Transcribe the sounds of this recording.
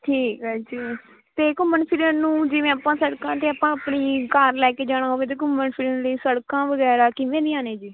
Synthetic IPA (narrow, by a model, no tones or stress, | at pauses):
ʈʰiːkɦaːd͡ʒiː | t̪eːkʊmənpʰɪɾənũːd͡ʒɪʋẽːapãːsəɽkãːt̪eːəpãːəpɳiːkaːɾlɛːkeːd͡ʒaːɽ̃aːɦoːʋeːt̪̬eːkʊmənpʰɪɾənləiːsəɽkãːʋəɣɛːɾaːkɪʋẽːnĩːaːneːd͡ʒiː